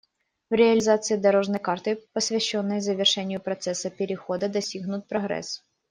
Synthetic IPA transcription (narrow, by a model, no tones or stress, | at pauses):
vɾʲɪɐlʲɪzat̪sɨid̪ɐɾoʐnɐjkart̪ɨpəsʲvʲɛɕːonːɨjzəvʲɪrʂɛnʲɪjʊpɾɐt̪sɛsɐpʲɪɾʲɪxod̪ɐd̪ɐsʲiɣnʊt̪̚pɾɐɣɾɛ̰s